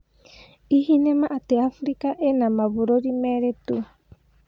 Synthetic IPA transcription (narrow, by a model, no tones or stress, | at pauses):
ihinemãʔat̪eafɾikaʔenãmãβuɾoɾimeɾet̪u